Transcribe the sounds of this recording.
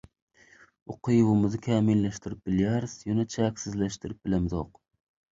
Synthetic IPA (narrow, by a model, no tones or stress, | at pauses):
oqʰɨjwʊmɨzɨkʲʰɛmilːɛʃt̪ɪɾɪp̚b̥ɪlɪjɛɾɪsjunɛt͡ʃʰɛkʲsɪzlɛʃt̪ɨɾɪp̚bɪlɛmzoq